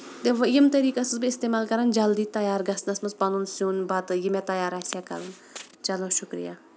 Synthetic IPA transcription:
d̪eʋɐjimt̪ɐɾiːkɐsɨzbiist̪emaːlkɐɾɐnd͡ʒɐld̪it̪ɐjaːɾɡɐsnɐsmɐspɐnunsjuːnbat̪ɨjimet̪ɐjaːɾasijakɐ̰ɾɐn | t͡ʃɐloʃʊkɾḭja

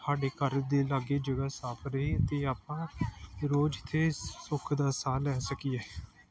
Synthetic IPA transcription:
saːɖeːkəɾd̪eːlaːɡeːd͡ʒəɡaːsaːpʰɾəiːət̪eːaːpãːɾoːd͡ʒɪt̪ʰːeːsʊkʰd̪aːsaːlɛːsəkiːɛː

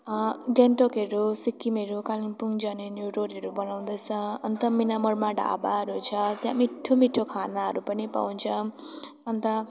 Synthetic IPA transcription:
ɡenʈokʌɾusikːimeɾukalinpuŋd͡zanenjoɾoɾɦʌɾubʌnaw̃d̪ʌt͡sʰʌʌnt̪ʌminamʌrmaɖa̰baɾut͡sʰʌt̪jãmiʈʰːomiʈʰːokʰanaɦʌɾupʌnipa̰wnt͡sʰʌ | ʌnt̪ʌ

